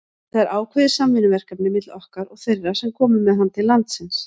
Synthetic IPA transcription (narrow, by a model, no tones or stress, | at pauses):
θaðaɾʔaːwkʰvaðɪɾ̥samvɪnʏvɛr̥kapnɪmɪt̪lɔhkaɾɔɣθerːḁsɛmkʰɔːmʏmɛðɦanːt̪ʰɪlːant̪sɪns